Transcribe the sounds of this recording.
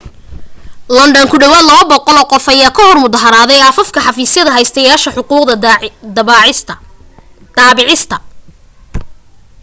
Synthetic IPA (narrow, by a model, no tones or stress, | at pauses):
lɐnd̪ɔŋkʰʊɖɐwaːd̪lɐβɐbɔqɔlɔːqɔfɐjaːkʰɐhɔrmʊðɐɦɐɾaːðɛjaːfɐfkʰɐħɑfiːsjɐðɐɦɛjst̪ʰɐjaːʃɐħʊquːq̪d̪ | d̪̥aːɪʕɪst̪ʰɐ